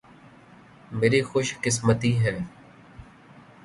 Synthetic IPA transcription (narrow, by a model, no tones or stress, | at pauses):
meːɾiːxʊʃkɪs̬mət̪iːɦɛː